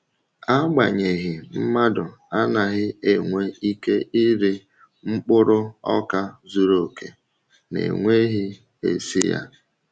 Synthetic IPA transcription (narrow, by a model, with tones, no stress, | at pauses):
a˦ɡ͡ba̰˨ɲe˨ɣɪ˨m̩˦ma˦dʊ˨a˦na˨ɣɪ˦e˨ŋʷe˦i˦ke˦i˦ɾi˦ | ŋ͡m̩˦k͡pʊ˦ɾʊ˦ɔ˦ka˦zu˦ɾo˨ke˨ | nḛ˨ŋʷe˦ɦi˦ | ḛ˨sḭ˦ja̰˦